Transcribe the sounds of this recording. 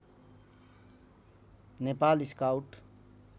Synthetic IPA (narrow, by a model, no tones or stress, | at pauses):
nepaːlɪskawʈ